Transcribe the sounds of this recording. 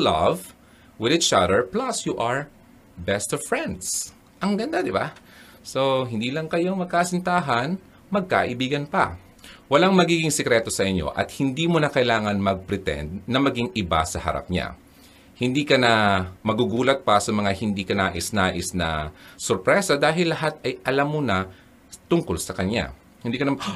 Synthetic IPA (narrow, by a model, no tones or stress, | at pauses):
lɐv | wɪðɪt͡ʃɐd̪ɛɹplɐsjuʔɐɹ | bɛst̪ɔvfɹɛnd̪s | ʔɐŋɡɐnd̪ad̪ɪba̰ | so̞ɦɪnd̪iːlɐŋkɐjoŋmɐɡ̚kaːsɪnt̪aːɦɐn | mɐɡ̚ka̰ːʔɪbiːɡɐnpɐ̰ | wɐlaŋmɐɡiːɡɪŋsɛkɾɛt̪o̞sɐʔɪɲo̞̰ʔɐ̰t̪̚hɪnd̪iːmonɐkɐʔɪlaːŋɐnmɐɡ̚pɾɛt̪ɛ̰nd̪̚nɐmɐɡiŋɪba̰sɐhɐ̰ɾa̰p̚ɲa̰ | hɪnd̪iːkɐnɐmɐɡuɡuːlɐt̪̚pɐsɐmɐŋahɪnd̪iːkɐnaːʔɪsnaːʔɪsnɐ̰soɾpɾɛsɐd̪aːɦɪlːɐɦat̪ɐjʔɐlamːonɐ | t̪ʊŋkolsɐkɐɲa̰ | hɪnd̪iːkɐnɐ